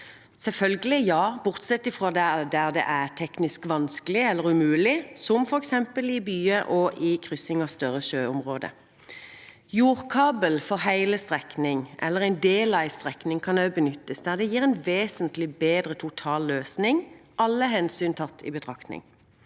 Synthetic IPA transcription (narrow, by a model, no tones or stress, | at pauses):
sɛlfœlɡəlɪjɑːbʊʁt̪sɛt̪ːɪfʁoːd̪æd̪æʁd̪ɛ̰ʔæʁt̪ʰɛknɪskʋɑnskəlɪɛlːəʁʉmʉːlɪsɔmfɔʁɛksɛmpəlɪbyːəʔɔʔɪkʰʁʏsɪŋɑst̪œʁəʃøːʊmʁoːd̪ə̰ | juːʁkʰɑːbəlfɔɦæɪləst̪ʁɛknɪŋʔɛ̰lːəʁæɪnd̪eːlɑɪst̪ʁɛknɪŋkʰɑnøʉbənʏt̪ːəsd̪æʁd̪ɛjiːʁɛɪnʋeːsənt̪lɪbeːd̪ʁət̪ʰʊt̪ʰɑːlːøːsnɪŋʔɑlːəɦɛnsyːnt̪ʰɑt̪ːɪ̰bət̪ʰʁɑkt̪nɪ̰ŋ